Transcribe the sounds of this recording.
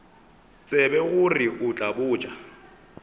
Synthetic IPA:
t͡sʼɛbɛɣʊriʔʊt͡ɬʼabʊːt͡ʃʼa

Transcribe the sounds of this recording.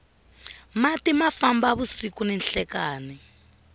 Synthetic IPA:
matimafambaβusikunɛnɬɛkaːni

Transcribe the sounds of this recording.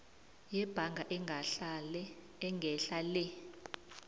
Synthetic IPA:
jɛb̥ʱaŋɡʱaʔ | ŋɡʱɛɬalɛ

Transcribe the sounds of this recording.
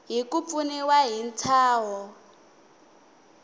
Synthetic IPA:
ɦikup̪funɛwaɦint͡sʰaːɦɔ

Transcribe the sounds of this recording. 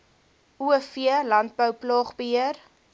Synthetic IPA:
uəfiəlɐnt̚bəwplɑːχbəɦiər

